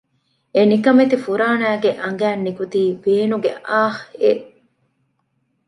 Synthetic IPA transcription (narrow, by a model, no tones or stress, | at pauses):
enikɐmet̪ifuɾaːnæːɡeʔɐŋɡæːnːikut̪iːb̥eːnuɡeʔaːheʔ